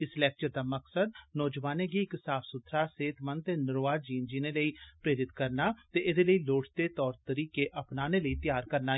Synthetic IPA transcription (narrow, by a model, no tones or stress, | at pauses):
ɪslɛːk̚t͡ʃəɾd̪aːməksəd̪̚nɔːd͡ʒʋaːneːɡiɪksaːpʰsʊt̪ʰɾaːseːt̪mənt̪eːnɪɾoːaːd͡ʒiːnd͡ʒiːneːləiːpɾeːɾɪt̪kəɾnaːt̪eːʔɪd̪eːləiːloːʈʰd̪eːt̪ɔːɾt̪əɾiːkeːʔəpnaːneːləiːt̪jaːɾkəɾnaː